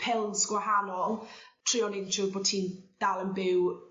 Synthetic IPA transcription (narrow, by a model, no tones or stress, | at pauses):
pʰɪlˠzɡ̥waɦanɔlˠtʰr̥iɔnɪnt͡ʃʰʊboːd̥̚tʰiːnd̥alˠənbɪw